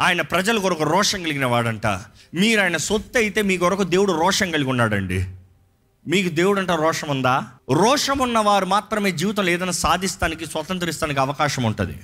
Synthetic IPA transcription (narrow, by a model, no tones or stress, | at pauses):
aːjɐnɐpɾɐd͡ʒɐluɡɔɾɐkuɾɔːʂɐŋkɐliɡinɐʋaːɽɐɳʈa̰ː | miːɾaːjnɐsot̪ːɐjit̪e̞ːmiːkɡɔɾɐkud̪e̞ːwuɽuɾɔːʂɐŋkɐɭiɡunːaːɽɐ̰ɳɖḭ | miːkud̪e̞ːwuɽɐɳʈaːɾɔːʂɐmund̪aːɾɔːʂɐmunːɐʋaːɾumaːt̪ɾɐme̞ːd͡ʒiːʋit̪ɐmlɛːd̪ɐnasaːd̪ʱist̪aːnikisʋɐt̪ɐnt̪̬ɐɾist̪aːnik̬iɐʋɐkaːʃɐmuɳʈṵd̪ḭ